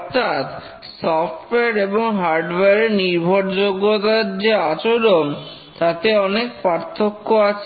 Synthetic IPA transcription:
ɔɾt̪ʰat̪ | sɔfʈoeaɾeboŋɦaɾɖweɾeniɾbʱoɾd͡ʑoɡːot̪aɾd͡ʑeat͡ɕoɾon | t̪at̪eɔnekpaɾt̪ʰokːoat͡ɕʰe

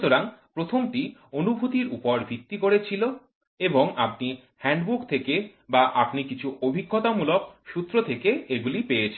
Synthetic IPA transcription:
t̪oɾaŋpɾot̪ʰomʈionubʱut̪iɾupɔɾbʱit̪ːikoɾet͡ɕʰilo | eboŋap̚ni | hɛɳɖbukt̪ʰeke | baʔapnikit͡ɕʰuʔobʱiɡːot̪amulok̚ʃut̪ːɾot̪ʰekeeɡulipejet͡ɕʰi

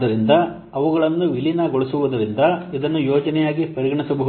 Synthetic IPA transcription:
d̪ɐɾind̪ɐ | ɐʋɐɡɐɭɐnːuʋilinɐɡoɭɐsuʋud̪ɐɾind̪ɐid̪ɐnːujoːd͡ʒɐnɛjaːɡipɐɾiɡɐɳisɐbɐɦu

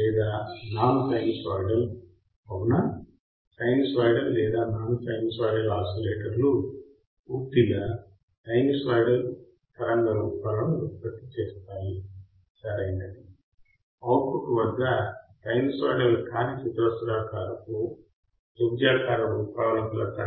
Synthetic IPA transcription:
lɛːd̪aːnaːnutɐjnɡsaːjɖɐl | ɐwnɐ | sɐjnsʋaːjɖɐlːɛːd̪aːnaːnusɐjŋɡsʋaːjɖɐlaːsoleːʈɐɾlu | uːp̚t̪ilɐ | ʈɐjŋɡsʋaːjɽɐl | t̪ɐɾɐŋɡɐɾuːpaːlɐmupɐt̪ːi̥t͡ʃeːst̪aːli | sɐɾɐjnd̪ɐni | ɐwɾpuʈuʋɐd̪ːɐʈɐjŋɡsa̰ːjɖɐlkaːnit͡ʃut̪ɾɐsɾaːkaːɾɐku | d͡ʒobd͡ʒaːkaːɾɐɾuːpaːlɐmt̪lɐt̪ɐ

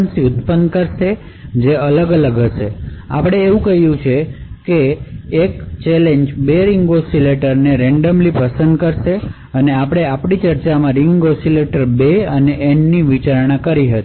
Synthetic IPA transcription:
nsiʊt̪pənkəɾʃe | d͡ʒeələɡələɡɦəʃea̰pɽ̃eːʋũkəɦijũt͡ʃʰekeːkt͡ʃɛleɲd͡ʒbeɾɪŋɡosileʈəɾneɾɛɳɖəmlipəsənd̪kəɾʃe | əneapɽ̃eapɳit͡ʃəɾt͡ʃamãɾɪŋɡosileʈəɾbeəneʔenːiʋit͡ʃaɾɳakəɾiɦət̪i

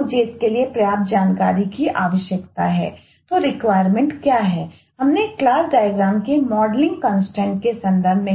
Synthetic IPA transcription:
d͡ʒeːɪskeliepɾɐjaːbd͡ʒaːnkaːɾikiʔaːʋəʃjəkt̪aɦɛ̰ː | t̪oɾɪkʋaːɪəɾmẽɳʈkjaːɦɛː | ɦɐmneklaːsɖaːjəɡɾaːmkemɔːɖlɪ̃ŋɡkɔ̃ːnsʈɛ̃ːɳʈ̚kesɐ̃nd̪əɾbʱmẽ

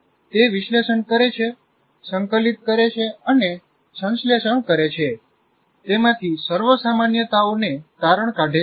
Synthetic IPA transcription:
t̪eʋiʃleʃəɳkəɾet͡ʃʰe | səŋkəlit̪kəɾet͡ʃʰeəne | sə̃nsleʃəɳkəɾet͡ʃʰe | t̪emãt̪ʰisəɾʋəsamanjət̪aonet̪aɾəɳ̃kaʈe

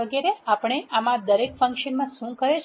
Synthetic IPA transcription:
əɡeɾeapɳ̃eʔamãd̪əɾekfə̃ŋkʃənmãʃũkəɾet͡ʃʰ

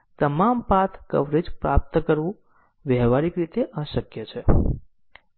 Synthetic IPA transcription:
t̪əmampat̪ʰkə̰ʋɾed͡ʒpɾap̚t̪kəɾʋũ | ʋjəɦʋaɾikɾit̪eʔaʃəkjət͡ʃʰe

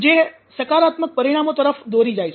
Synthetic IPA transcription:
d͡ʒe | səkaɾat̪mək̚pəɾiɽ̃amot̪əɾəfd̪oɾid͡ʒajt͡ʃʰ

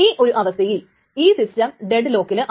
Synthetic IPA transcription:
iːʔo̞ɾuʔɐʋɐst̪ʰɐjil | iːsistɐmɖeɖɨlo̞ːkːilɨʔ

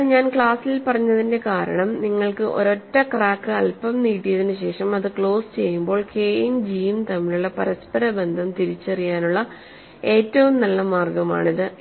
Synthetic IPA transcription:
ɲaːnkɭaːsilpɐrɐɲːɐðinde̞kaːɾɐ̰ɳɐmniŋːɐɭkɨʔo̞̰ɾo̞tːɐkraːkːɨɐlpɐmniːʈːijɐðinɨɕe̞ːʂɐmɐðɨkɭo̞ːsɨ̥t͡ɕe̞jːumbo̞ːɭke̞ːjind͡ʑiːjumt̪ɐmːiɭuɭːɐpɐɾɐspɐɾɐbe̞nd̪ʱɐmt̪iɾit͡ɕːɐrijaːnuɭːɐ | e̞ːtːɐʋumnɐlːɐmaːrɡɐma̰ːɳiðɨ

